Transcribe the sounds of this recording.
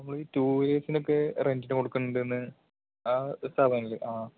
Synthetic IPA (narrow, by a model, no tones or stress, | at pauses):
nɐmːɐɭiːtuːɾeːsino̞kːe̞rendinɨko̞ɽukːunːuɳɖenːɨ | asabɐlɨʔaː